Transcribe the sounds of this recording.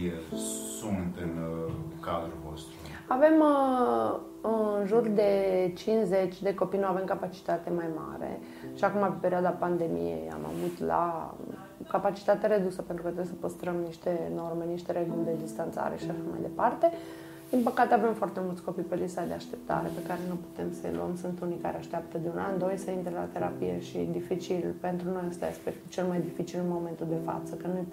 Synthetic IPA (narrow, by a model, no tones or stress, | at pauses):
jesumt̪inkad̪ɾulvo̰st̪ɾu | ave̞m | nʒurd̪e̞t͡ʃint͡ʃzet͡ʃʲd̪eko̞pijnuave̞mkapat͡ʃi̥t̪at̪e̞majma̰ɾḛ | ʃiakumapepeɾiad̪apand̪e̞mḭjḛja̰ma̰vut̪la̰ | kapat͡ʃi̥t̪at̪eɾed̪usəpent̪ɾukət̪ojs̬əpəst̪ɾəmniʃt̪e̞no̞rme̞niʃt̪e̞ɾe̞ɡulʲd̪e̞d̪ist̪ant̪sa̰ɾeʃiʃaʃama̰jd̪e̞part̪e̞ | d̪̥inpəkat̪eave̞mfoart̪e̞mult̪sʲko̞pipelisad̪eaʃt̪e̞̥p̚t̪a̰ɾe̞̰pe̞kaɾe̞nupu̥t̪e̞msəj̰lṵə̰msunt̪unijka̰ɾeaʃt̪eap̚t̪əd̪eunand̪ojsəint̪ɾela̰t̪e̞ɾa̰pijḛʃḭd̪ifit͡ʃilpe̞nt̪ɾuno̞jəst̪a̰espeɾt̪ut͡ʃe̞lmajd̪ifit͡ʃilnmo̞me̞nt̪uld̪e̞fa̰t̪səkənuj